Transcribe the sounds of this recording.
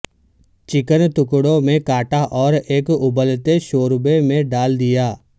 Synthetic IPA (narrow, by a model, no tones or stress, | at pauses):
t͡ʃɪkənt̪ʊkɽõmẽkaːʈaʔɔːɾeːkʊbəlt̪eʃoːɾbemẽɖaːld̪ɪjaː